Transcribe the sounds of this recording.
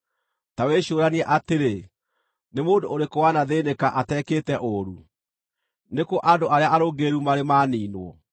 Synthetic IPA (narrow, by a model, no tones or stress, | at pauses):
taweɕoːɾaniɛʔateɾe | nemoːndooɾekowanaðeːnekaʔatɛkeːtɛʔoɾu | nekoʔandoʔaɾeaʔaɾoɡeɾumaɾemaːniːnwɔ̰